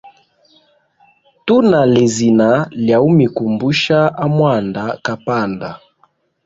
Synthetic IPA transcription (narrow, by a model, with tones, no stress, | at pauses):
tu˦na˨le˨zi˨na˨˦lja˨u˦mi˨ku˨mbu˦ʃa˦a˦mwa˦˨nda˨ka˨pa˦˨nda˨